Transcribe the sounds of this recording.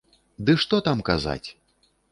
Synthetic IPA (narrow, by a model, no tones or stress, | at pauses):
d̪ɨʂt̪ɔt̪amkaza̰t͡sʲ